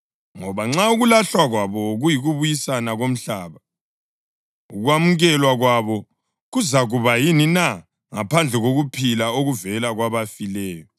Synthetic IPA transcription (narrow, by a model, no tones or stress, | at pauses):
ŋɔβaŋ͡ǁauɣulaɬwaɣwaβɔɣujiɣuβujisanaɣom̩ɬaːβa | uɣwamuɣɛlwaɣwaβɔ | ɣuzaɣuβajinina | ŋa̰pʰand͡ɮʱɛɣoɣupʰilaoɣuvɛlaɣwaβafilɛːjɔ